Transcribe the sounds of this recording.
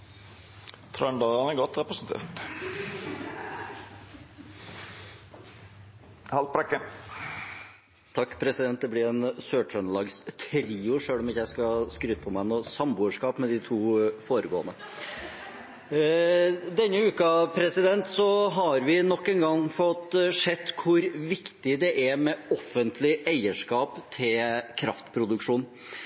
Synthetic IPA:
t̪ʰɾɑnd̪ɑɡɑnəɡɔt̪ːɾɛpɾəsənt̪ʰḛːɾt̪ | hɑlt̪̚pʰɾɛkːən | t̪ʰɑkːpʰɾɛsɪd̪ɛnt̪̚d̪ɛblɪɾɛnsøːʈʰɾœnlɑːɡst̪ʰɾiːʊʂøːlɔmɪçəjæɪskɑskɾyːt̪əpʰɔmæɪnoːsɑmbuːəʂkɑːpmɛd̪ɪt̪ʰuːfoːɾəɡoːə̰nə | d̪ɛnːəʉːkɑpʰɾɛsɪd̪ɛnt̪sɔɦɑɾʋɪnɔkːɛnɡɑŋfɔt̪ʂɛt̪ːkʰʊɾʋɪkt̪ɪd̪ɛʔæmɛɔfənt̪ʰlɪʔæɪəʂkɑːpt̪ʰɪlkʰɾɑft̪pʰɾʊd̪ʉkʂuːn

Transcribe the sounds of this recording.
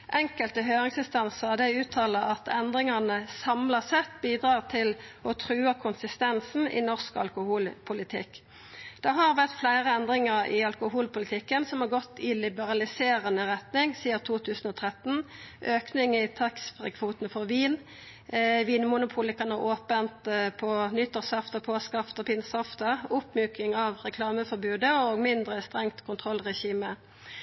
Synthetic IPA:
ʔɛŋkəlt̪əɦøːʁɪŋsɪnst̪ɑnsəʁd̪ɛʉːt̪ʰɑːləɑt̪ʰɛnd̪ʁɪŋɑnəsɑmlɑsɛt̪ːbiːd̪ʁɑːʁt̪ʰɪlɔt̪ʰʁʉːəkʰʊnsɪst̪ɛnsn̩ɪ̰nɔʁskɑ̰lkʊhuːlpʰʊlɪt̪ʰɪ̰kː | d̪̥ɛɦɑʁʋæʁt̪flæɪʁəɛnd̪ʁɪŋəʁɪ̰ɑlkʊɦuːlpʊlɪt̪ʰɪkːənsɔmhɑɡɔt̪ːɪlɪbəʁɑlɪseːʁənəʁɛt̪nɪŋsiːət̪ʰuːt̪ʰʉːsn̩ɔːt̪ʰʁɛt̪n̩ʔøːknɪŋɪt̪ʰɑksfʁɛkʰʋuːt̪ənfɔʁʋiːn | ʋiːnmʊnʊpʰuːləkʰɑnɑʔoːpənt̪pʰɔnʏt̪ːəʁsɑft̪əpʰoːskɑft̪ɔpʰɪnsɑft̪əʊpmʉːkɪŋɑʋʁɛkʰlɑːməfɔɾbʉːd̪əɔɡmɪnd̪ʁəst̪ʁɛŋt̪kʰʊnt̪ʰʁɔlʁɛçiːmə

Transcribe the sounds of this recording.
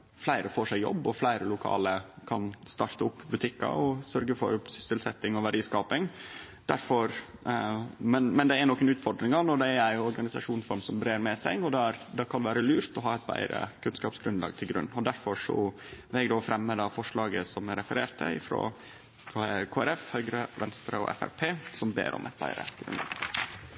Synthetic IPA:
flæɪɾəfoːʂæɪjɔ̰bːɔflæɪɾəlʊkʰɑ̰ːləkʰɑnst̪ɑɾt̪əʊpːbʉt̪ʰɪkːɑ̰ɔsœɾɡəfɔ̰ɾsʏ̥səlsɛt̪ːɪŋɔʋæɖiːskɑːpɪŋ | d̪̥æɾfɔɾ | mɛnmɛnd̪ɛænɔkːənʉːt̪fɔɖ̪ɾɪŋɑnɔd̪ɛæɾæɪjʊɔɾɡɑnɪsɑʂuːnfɔɾmsɔmbɾeːɾmɛsæɪɡɔd̪ɛæɾd̪ɑkʰɑnʋæːɾəlʉːɾt̪ɔɦɑːæɪt̪bæ̰ɪɾə̰kʰʉnskɑːpsɡɾʉnlɑ̰ːɡ̚t̪ʰɪlɡɾʉ̰nːɔd̪æɾfɔʂɔ̰ʋɛɡd̪ofɾʔɛmːəd̪ɑfɔʂɭɑːɡəsɔmɾɛfəɾeːɾt̪ʰə̰ɪ̰fɾo̰ː | d̪həkʰoːæɾɛfhœʏɡɾəʋɛnst̪ɾɑ̰ɔ̰ʔɛ̰fæ̰ɾpʰeːsɔmbḛːɾʔɔ̰mʔɛ̰t̪̚bæ̰ɪɾə̰ɡ̥ɾʉ̰nd̪ɑ̰ːɡ

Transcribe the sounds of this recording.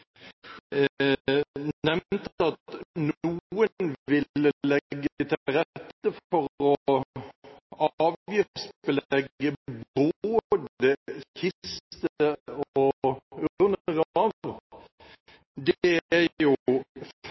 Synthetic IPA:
nɛmt̪ɑt̪nuənʋɪləlɛɡːəət̪ʰɪlɾɛt̪ːəfɔɾɔ | ɑːʋjɪspəlɛɡəboːd̪əçʰɪst̪əɔɔʉnəʁɑʋ | d̪ɛæjʊf

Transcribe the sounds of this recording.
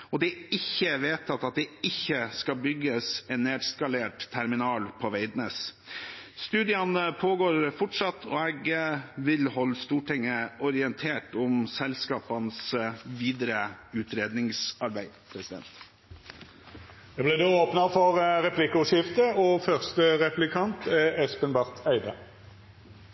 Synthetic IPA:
ɔd̪ɛɪçːəʋeːt̪ʰɑt̪ɑt̪̚d̪ɛɪçːəskɑbʏɡːəsɛnnːeːd̪skɑleːʈt̪ʰːæɾmɪnɑːlpʰɔʋæɪd̪nəs | st̪ʉːd̪ɪɑnəpʰoːɡoːɾfʊʈʂɑt̪ːʰɔɛɡʋɪlhɔlːst̪uːʈɪŋːəɔɾɪɛnt̪ʰeːʈɔmsɛlskɑːpɑnsʋiːd̪əɾəʉːt̪ɾeːd̪nɪŋsɑɾbæɪpʰɾɛsɪd̪ɛ̰nt̪ | ɛblɪd̪oːoːpnəfɔʁʁɛplɪkəʊʂɪft̪əɔfœʁst̪əʁɛplɪkʰɑnt̪ɛɛspənbɑʁt̪ʰæɪd̪ə

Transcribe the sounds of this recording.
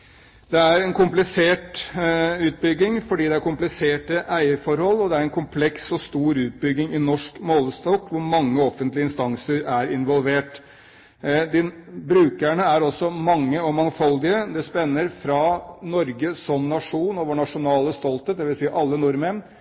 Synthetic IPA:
d̪ɛæɾɛnkʰʊmplɪseːʈ | ʉːt̪̚bʏɡɪŋfɔɖiːd̪ɛæɾkʰʊmplɪseːʈəʔæɪəfɔɾhɔlːɔd̪ɛæɾɛnkʰʊmpʰlɛksɔst̪uːɾʉːt̪̚bʏɡːɪŋɪnɔʂkmoːləst̪ɔkːʋʊɾmɑŋːəɔfənt̪lɪəɪnst̪ɑŋsəɾæɾɪnʋɔlʋeːʈ | d̪ɪbɾʉːkəɳəæɾɔsːɔmɑŋːəɔmɑŋfɔld̪ɪəd̪ɛspɛnːəɾfɾɑnɔɾɡəsɔmnɑʂuːnoːʋəɳɑʂʊnɑːləst̪ɔlt̪ət̪d̪ɛʋɪlsiːəʔɑlːənʊɾmen

